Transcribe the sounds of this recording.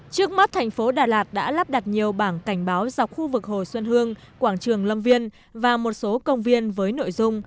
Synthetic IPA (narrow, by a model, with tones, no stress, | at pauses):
t͡ɕɨ˦˥ək̚ma˦˥t̚t̪ʰɛ˨˩ŋ̟fo˨˦ɗaː˨˩laː˨˩t̚ɗa̰ː˧˥laː˦˥p̚ɗa˨˩t̚ɲi˨˩əwɓaː˧˩nka˧˩jŋ̟ɓaː˨˦wza˨˩wk͡p̚xu˧vɨ˨˩k̚ho˨˩jswə˧nhɨ˧əŋ | kwaː˧˩ŋt͡ɕɨ˨˩əŋlə˧mvi˧ən | vaː˨˩mo˨˩t̚so˨˦kə˧wŋ͡mvi˧ənvəː˨˦jno̰˧˨jzʊ˧ŋ͡m